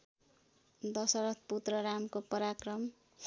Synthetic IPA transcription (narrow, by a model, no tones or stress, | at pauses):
d̪ʌsʌɾʌt̪̚ʰput̪rʌɾamkopʌɾakrʌm